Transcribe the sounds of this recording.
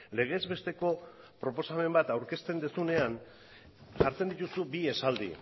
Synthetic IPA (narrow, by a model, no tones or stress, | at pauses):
le̞ɣ̞e̞zβe̞st̪e̞ko̞ | pɾo̞po̞same̞mbat̪awɾke̞st̪e̞nd̪esune̞an | saɾt͡se̞nd̪it̪usubiesald̪ḭ